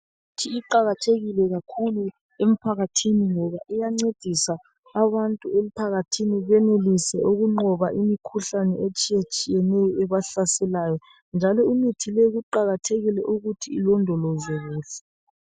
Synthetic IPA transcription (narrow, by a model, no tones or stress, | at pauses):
utʰiːǃaɣatʰeɣilɛɣakʰulu | em̩pʰaɣatʰiniŋɔβaʔijaŋ͡ǀed̥ʱisaː | βantʼuem̩pʰaɣatʰiniβɛnelisɛʔuɣuŋ͡ǃɔβaʔimikʰuɬanɛet͡ʃʼijet͡ʃʼijɛnɛjɔɛβaɬasɛlaːjɔ | nd͡ʒʱalɔunitʰilɛɣuǃaɣatʰeɣilɛʔuɣutʰiːlɔndʱɔlɔzwɛɣuːɬɛ̥